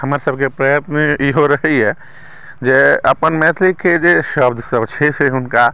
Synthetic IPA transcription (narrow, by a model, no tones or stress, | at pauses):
həmaɾsəbʱkepɾəjət̪nəiɦoɾəɦiɦɛ | d͡ʒeə̰pənmɛt̪ʰlɪkːed͡ʒeʃəbd̪ʱsəbt͡ʃʰɛseʊnka